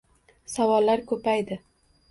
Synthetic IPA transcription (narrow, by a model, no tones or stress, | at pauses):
sawɒlːaɾkʰɵpajd̪ɪ